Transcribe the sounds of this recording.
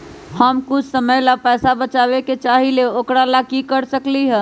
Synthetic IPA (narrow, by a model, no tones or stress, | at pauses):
həmkʊt͡ʃʰsəməjlapɛːsabət͡ʃaːbeket͡ʃaːɦileoːkɾalakikəɾsəkliɦɛ̃